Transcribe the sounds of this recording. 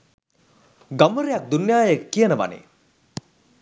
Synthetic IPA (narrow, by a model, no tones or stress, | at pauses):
ɡaməɾejak̚d̪unjaːjəkːijənəʋa̰nḛ